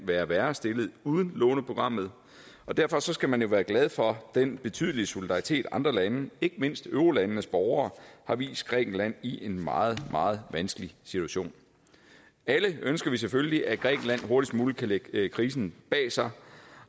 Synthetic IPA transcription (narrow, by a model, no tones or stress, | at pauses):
ʋæːɐʋæːɐsd̥e̝lð̩ˠuð̞ˠən̩lɔ̰̽ːnəpʰʁo̝ɡ̥ʁɑ̈m̰ð̞̩ˠ | ɒ̽d̥æɐfɒ̽sɒ̽sɡ̥æmænjo̝ʋæːɐɡ̥lɛð̞ˠfɒ̽d̥enb̥e̝t͡sʰy̰ðˠəliəso̝lid̥ɑ̈ʁit͡sʰe̝̰ːd̥ɑ̈nd̥ʁɐlænəe̝ɡ̥əme̝n̰sd̥øʊʁolænːəsb̥ɒʊɐːhɑ̈ʋḭːsd̥̚ɡ̥ʁɛ̰ːɡ̥n̩læn̰iʔe̝nmɑ̈ːð̞̩ˠmʔɑ̈ːð̞̩ˠʋænsɡ̥əlisit͡sʰuæɕo̝̰ːn | æləønsɡ̥ɐʋis̬efølliʔæɡ̥ʁɛ̰ːɡ̥n̩læn̰ɦo̝ɐɾ̥ismuːləkʰæleɡ̥kʰʁiːsn̩b̥ɛ̰ːsɑ̈ɪ